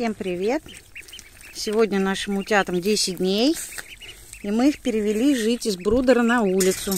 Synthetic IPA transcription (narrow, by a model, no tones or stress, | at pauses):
sʲe̞mpɾʲɪvʲe̞t̪ | sʲɪvo̞dʲnʲənaʂɨmʊtʲat̪əmdʲesʲɪt̚ʲdʲnʲej | imɨixpʲɪɾʲɪvʲɪlʲiʐɨtʲɪzbɾud̪əɾənɐulʲɪt̪sʊ